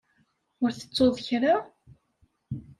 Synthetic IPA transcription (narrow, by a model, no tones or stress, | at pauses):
ʊɾθə̥t͡sːoðˤçɾa